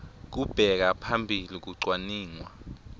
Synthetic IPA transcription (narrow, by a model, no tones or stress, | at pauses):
k̬ub̥ʱɛk̬apʰambʱilik̬uǀwaniːŋwa